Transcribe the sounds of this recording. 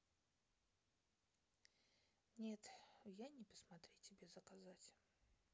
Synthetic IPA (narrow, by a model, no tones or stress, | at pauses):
nʲet̪janʲɪpə̥smɐt̪ɾʲitʲɪbʲe̞zəkazatʲ